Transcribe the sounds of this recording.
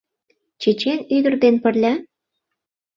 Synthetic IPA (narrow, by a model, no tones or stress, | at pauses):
t͡ɕet͡ɕenyd̪ə̆rd̪enpə̆rlʲæ